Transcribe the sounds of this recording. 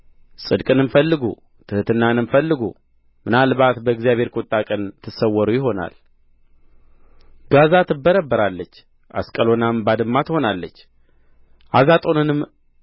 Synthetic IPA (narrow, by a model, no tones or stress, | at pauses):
sʼɨd̪kʼɨnɨmfəlːɨɡṵ | t̪ʰɨhɨt̪ʰɨnːanɨmfəlːɨɡṵ | mɨnalβat̪bəɡzijaβhe̞ɾkʷʼot̪ʼːakʼənt̪ʰɨsəwːəɾujɪɦo̞na̰l | ɡazat̪ʰɨbːəɾəbːəɾalːət͡ʃː | ʔa̰skʼəlo̞nambad̪ɨmːat̪ho̞nalːət͡ʃː | ʔazat̪ʼo̞nɨnɨm